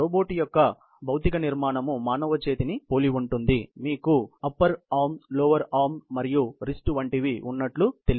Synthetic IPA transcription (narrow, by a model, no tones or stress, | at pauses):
oːboːʈijɔkːɐ | bɐwut̪ikɐniɾmaːɳɐmumaːnɐʋɐt͡ʃe̞ːt̪inipo̞ːliuɳʈund̪imiːkuɐpːɐɾaːmloːʋɐɾaːmːɐɾijuɾisʈʋɐɳʈiʋiʔunːɐʈlut̪eli